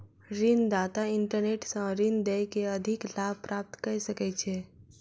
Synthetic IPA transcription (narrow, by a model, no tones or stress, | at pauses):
ɾɪnd̪aːt̪aɪ̃ɳʈəɾneːʈsãɾɪnd̪ejkeəd̪ʱɪklaːbpɾaːp̚t̪kəɾsəkɛt͡ʃʰeː